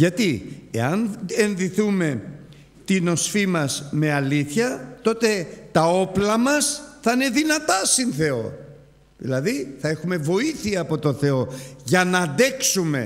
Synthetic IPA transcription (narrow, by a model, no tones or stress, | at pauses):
ʝɐt̪iḛɐnenðiθume̞ | t̪ino̞sfimɐsme̞ɐliθçɐt̪o̞t̪e̞t̪ɐo̞plɐmɐsθɐine̞ðinɐt̪ɐsinθe̞o̞̰ | ðḭlɐðiθɐe̞xume̞vo̞iθiɐːpo̞t̪o̞θe̞o̞ʝɐnɐnd̪e̞ksume̞̰